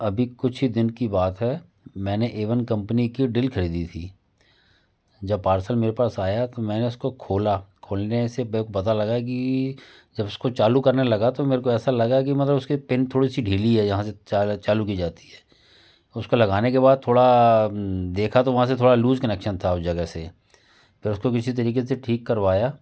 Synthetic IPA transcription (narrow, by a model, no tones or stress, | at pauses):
ɐbʱikʊt͡ʃʰɦid̪ɪnkibaːt̪ɦɛ | mɛ̃ːneʔeːʋənkɐ̃mpənikiɖɪlkʰɐɽiːd̪it̪ʰiː | d͡ʒɐbpaːɾsəlmeːɾepaːsaːjat̪omɛ̃ːneʊskokʰoːlakʰoːlnesepːekopɐt̪alɐɡak̬i | d͡ʒɐbʊskot͡ʃaːlukɐɾnelɐɡat̪omeːɾek̬oɛːsalɐɡak̬imɐt̪ləbʊskipɪnt̪ʰoːɽisiɖʱiːliɦɛd͡ʒɐɦãseat͡ʃaːluk̬id͡ʒaːt̪i̥ɦɛː | ʊskolɐɡaːnekebaːd̪̚t̪ʰːoːɽa | d̪eːkʰat̪oʋɐɦãset̪ʰoːɽaluːd͡ʒkɐnɛkʃənt̪ʰaʊsd͡ʒɐɡəse | pʰɪɾʊskok̬ɪsit̪̬ɐɾiːkeseʈʰiːkːɐɾʋaːjaː